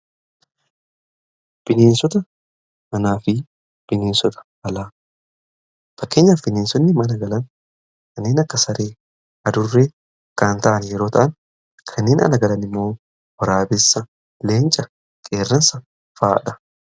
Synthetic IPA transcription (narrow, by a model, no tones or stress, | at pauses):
b̥ɪneːnsɔt̪ɐ | ɐnaːfɪ | b̥ɪneːnsɔt̪ʰɐ̥ | ɐlaː | fɐkːeːɲːɐfɪneːnsɔnːɪmɐnɐɡɐlɐn | kʰɐnːeːnɐkːɐsɐɾeː | ɐd̪ʊrːeː | ɐkːaːnt̪ɐʔɐnjɛɾo̞ːt̪ʰɐʔɐn | kʰɐnːeːnʔɐ̰lɐɡɐlɐnɪmːo̞ː | wɐɾaːbɪsːɐ | le̞ːnt͡ʃʼɐ | kʼe̞ːrːɐnsɐ | faːᶑɐ̥